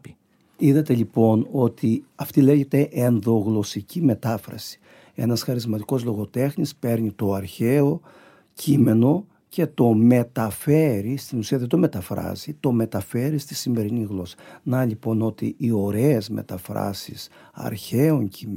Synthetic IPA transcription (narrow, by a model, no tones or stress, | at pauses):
iðɐt̪e̞lipo̞no̞t̪iɐft̪ile̞ʝe̞t̪e̞ʔenðo̞ɣlo̞sicime̞t̪ɐfɾɐ̰si̥ | e̞̰nɐsxɐɾizmɐt̪iko̞zlo̞ɣo̞t̪e̞xnispe̞ɾɲit̪o̞ɐɾçe̞o | cʰime̞no̞ | ce̞t̪o̞me̞t̪ɐfe̞ɾist̪inusiɐðet̪ome̞t̪ɐfɾɐ̰zit̪o̞me̞t̪ɐfe̞ɾist̪isime̞ɾiniɣlo̞sɐ̥nɐʎipo̞no̞t̪ḭʔːo̞ɾe̞ːzmḛt̪ɐfɾɐ̰sḭs | ɐ̰ɾçeo̞ɲcʰi